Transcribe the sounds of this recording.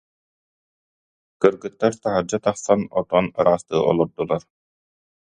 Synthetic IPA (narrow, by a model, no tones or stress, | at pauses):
kɯɾɡɯt̪ːaɾt̪aɦaɾd͡ʑat̪aχsanɔt̪ɔnaɾaːst̪ɯ̰ːʔɔ̰lˠɔɾd̪ulˠaɾ